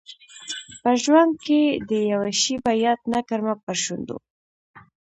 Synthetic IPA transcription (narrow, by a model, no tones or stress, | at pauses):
pəʒwand̪̚ked̪əjawaʃibajɑt̪nakaɾmapəʃund̪ṵ